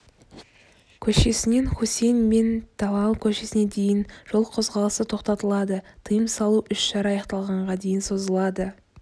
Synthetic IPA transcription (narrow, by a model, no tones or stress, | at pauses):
kʲʰɵʃe̞sɪne̞nχose̞jnme̞nt̪ʰɑwɑlˠkʲʰɵʃesɪne̞d̪e̞jɪnʒ̥o̞lˠqʰozʁɑlˠəsət̪ʰo̞qt̪ɑt̪əlˠɑd̪ət̪ʰəjəmsɑlˠuʔʏʃʃɑɾɑjɑqt̪ɑlˠʁɑɴʁɑd̪e̞jɪnso̞zəlˠɑd̪ə